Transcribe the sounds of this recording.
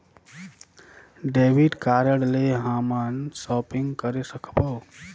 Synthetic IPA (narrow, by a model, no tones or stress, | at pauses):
ɖeʋiɖkaɾəɽleɦamansɔpiŋɡkəɾesəkʰbəw